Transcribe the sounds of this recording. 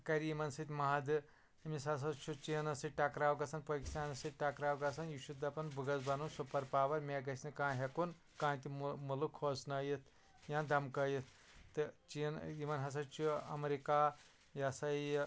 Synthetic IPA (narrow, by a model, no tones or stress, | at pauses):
kɐɾjimɐnsɨt̪ʲmaːɐd̪ɨ | misɐs̬ɐt͡ʃʰut͡ʃiːnɐsɐʈɐkɾaːwɡɐsɐnpɐkist̪aːnɐsɐʈɐkɾaːwɡɐsɐnjuʃud̪ɐpɐnbɨɡɐzbɐnunsupɐɾpaːʋɐɾmeːɡɐsʲnɨkãːɦekun | kãːnt̪imulukʰːoːsnɐjit̪̚ʰ | jãːnd̪ɐmkɐjit̪ʰ | t̪ɨt͡ʃinjimɐnɦɐs̬ɐt͡ʃʰuɐ̰mɾikaː | jɐsɐj